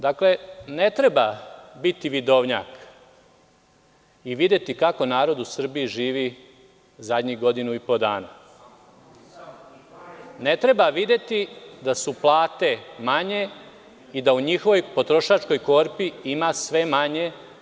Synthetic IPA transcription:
d̪akle̞ne̞t̪ɾe̞babit̪iʋid̪o̞ʋɲa̰ːk | iʋid̪et̪ikako̞naːɾo̞d̪usr̩biiʒiːʋi | zad̪ɲiɣɡo̞d̪inuipo̞d̪aːna̰ | ne̞t̪ɾe̞baʋid̪e̞t̪id̪asuplˠaːt̪e̞maɲe̞ | id̪auɲixoʋo̞jpo̞t̪ɾo̞ʃat͡ʃko̞jko̞ɾpiimasʋe̞maɲe̞

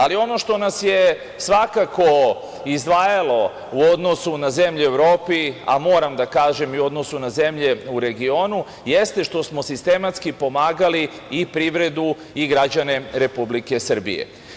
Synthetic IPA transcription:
alio̞no̞ʃt̪o̞nasje̞ | sʋakako̞ | izd̪ʋaːjalo̞ | uo̞d̪no̞sunaze̞mʎue̞ʋɾo̞ːpia̰mo̞ːɾamd̪akaːʒe̞miuo̞d̪no̞sunaze̞mʎe̞uɾe̞ɡio̞nu | je̞st̪e̞ʃt̪o̞smo̞sist̪e̞mat̪skipo̞maːɡali | ipɾiʋɾe̞d̪u | iɡɾad͡ʑane̞ɾe̞publike̞sr̩bḭjḛ

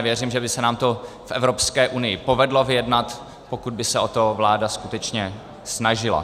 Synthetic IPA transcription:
vjɛriːmʒɛbɪsɛnaːmt̪o | fʔɛvɾo̞pskɛːʔunɪjɪpo̞vɛdlovɪjɛdnat̪ | pokud̪̚bɪsɛʔo̞t̪o̞vlaːdaskut̪ɛt͡ʃɲɛ | snaʒɪla̰

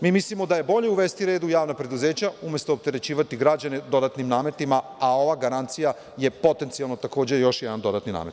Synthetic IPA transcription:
miːmislimo̞d̪aje̞bo̞ʎeuʋeːst̪iɾeːd̪ujaːʋnapɾe̞d̪uze̞ːt͡ɕaumjest̪o̞ːp̚t̪e̞ɾe̞t͡ɕiːʋat̪iɡɾad͡ʑane̞d̪o̞d̪at̪nimnaːme̞t̪imaao̞ʋaːɡaɾant̪sija | je̞po̞t̪ent̪sialˠnot̪ako̞ːd͡ʑejo̞ʃjɛd̪and̪o̞d̪at̪nina̰ːmet̪

